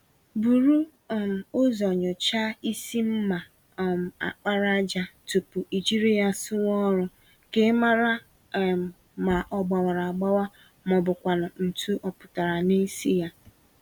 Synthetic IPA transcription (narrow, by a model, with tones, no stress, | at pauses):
bu˨ɾu˦˨ | m̩˨o˦zɔ˨ɲʊ˨t͡ʃa˦i˦si˦m̩˦ma˨ | m˨a̰˨k͡pa˦ɾa˦d͡ʒa˦tu˨pu˨i˨d͡ʒi˦ɾi˦a˨sʊ˦wɔ˦ɾʊ˦ | ke˦ma˦ɾa˦˨ | ma˨ʔɔ˨ɡ͡ba˨wa˨ɾa˨a˨ɡ͡ba˦wa˦ | mɔ˨bʊ˨kʷa˨nʊ˨n̩˨tʰu˦ʔɔ˦pʊ̥˨ta˨ɾa˨ni˦si˦ja˦